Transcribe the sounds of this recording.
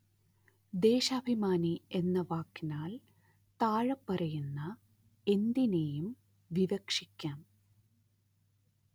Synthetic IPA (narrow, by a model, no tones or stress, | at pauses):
d̪e̞ːɕɐbʱimaːnie̞nːɐʋaːkːinaːl | t̪aːɻɐpːɐɾɐjunːɐ | e̞nd̪inejum | ʋiʋɐkʂikʲːaːm